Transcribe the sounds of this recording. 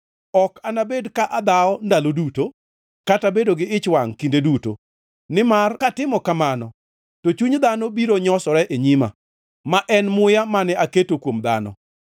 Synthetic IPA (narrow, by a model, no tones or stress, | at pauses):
ɔkanabedkaʔad̪aɔndaloduto | katabedoɡɪɪt͡ʃwaŋkindeduto̰ | nɪmarkatɪmɔkamanɔ | tot͡ʃuɲd̪anɔbiɾoɲɔsɔɾɛʔeɲima̰ | maʔɛnmʊjamanɛaketokwomd̪a̰nɔ̰